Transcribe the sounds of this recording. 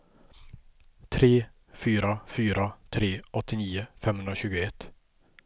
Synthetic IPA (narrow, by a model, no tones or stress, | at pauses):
t̪ʰɾeː | fyːɾafyːɾat̪ʰɾeːʔɔt̪ːɪniːʊfɛmhɵnɾaɕʉ̟ːɡʊɛt̪ː